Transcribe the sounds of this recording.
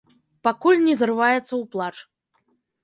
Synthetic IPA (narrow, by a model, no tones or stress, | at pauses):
pakulʲnʲɛzrɨvajɛt̪sːɐwplˠat͡ʂ